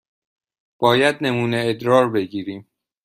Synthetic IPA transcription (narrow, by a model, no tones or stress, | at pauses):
b̥ɒːjæd̪̚ne̞muːneːd̪ɾɒːɾbe̞ɟiːɾiːm